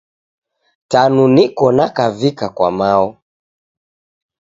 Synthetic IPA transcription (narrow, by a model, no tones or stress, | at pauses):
tanunikɔnakavikakwa̰maɔ